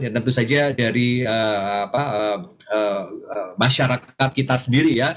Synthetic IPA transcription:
jat̪ənt̪usad͡ʒadaɾiəapaəəəmaʃaɾakat̪̚kit̪asəndiɾija

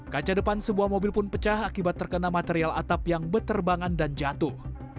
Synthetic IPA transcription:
kat͡ʃadəpansəbuahmobɪlpʊnpət͡ʃahakibat̪ːərkənamat̪eɾiala̰t̪apjaŋbət̪ərbaŋandand͡ʒat̪uh

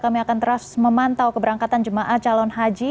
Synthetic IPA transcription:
kamiakant̪əɾasməmant̪awkəbəɾaŋkat̪and͡ʒəmaʔaht͡ʃalɔnɦad͡ʒi

